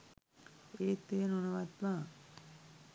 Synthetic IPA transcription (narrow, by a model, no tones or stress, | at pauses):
eːt̪ːeːnunɐʋat̪maː